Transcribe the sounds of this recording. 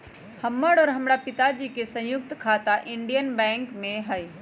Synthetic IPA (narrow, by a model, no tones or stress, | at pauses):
həmːəɽɔːɾɦɐmɾapɪt̪ad͡ʒikesɐ̃jʊk̚t̪kʰaːt̪aʔɪ̃ɳɖijənbɛ̃ːŋkmẽɦəj